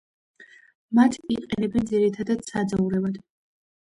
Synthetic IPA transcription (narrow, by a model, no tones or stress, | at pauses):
mat̪ʰiqʼɛnɛbɛnd̪ziɾit̪ʰad̪ad̪̥sad̪zauɾɛvad̪̥